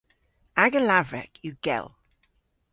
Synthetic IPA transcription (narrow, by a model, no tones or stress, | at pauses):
aɡəlavɹɛ̰kʰjəɡ̥ɛ̰lˠ